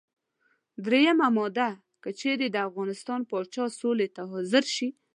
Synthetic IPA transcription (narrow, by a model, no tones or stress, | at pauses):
d̪ɾejamamɔd̪a | kət͡ʃeɾed̪əafɣɑnɪst̪ɑnpɑt͡ʃɑsolet̪aɦɔzɪɾʃi